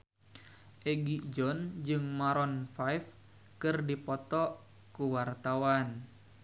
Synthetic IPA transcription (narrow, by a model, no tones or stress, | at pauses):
ʔɛɡid͡ʒɔnd͡ʒɨŋmaɾɔnfajf | kɨrdipɔt̪ɔ | kuwart̪awan